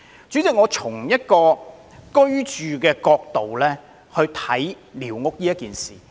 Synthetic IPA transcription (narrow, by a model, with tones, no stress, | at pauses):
t͡ʃyː˨˥t͡sɪ˨k̚ŋɔː˨˧t͡sʰʊ˨˩ŋjɐ˥t̚kɔː˧ | kɵ˥ɥt͡ʃyː˨kɛː˧kɔː˧k̚t̪o˨wlɛː˥ | hɵ˧t̪ʰɐ˨˥j | liː˨˩wŋʊ˥k̚jiː˥jɐ˥t̚kiː˨nsḭː˨˩